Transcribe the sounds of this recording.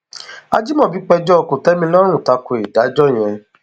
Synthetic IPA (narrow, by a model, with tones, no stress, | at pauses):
a˧d͡ʒi˦mɔ̃˦˨bi˨˦k͡pɛ˧d͡ʒɔ˦ɔ˧ko˨tɛ˦mĩ˧lɔ˦ɾ̃ũ˦˨ta˧ko˨e˨da˨˦d͡ʒɔ˦˨j̃ɛ̃˧